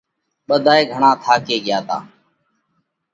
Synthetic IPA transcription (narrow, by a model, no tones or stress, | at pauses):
ɓəd̪ʱaːeːɡʱəɳãːt̪ʰaːkeːɠɪjaːt̪a̰ː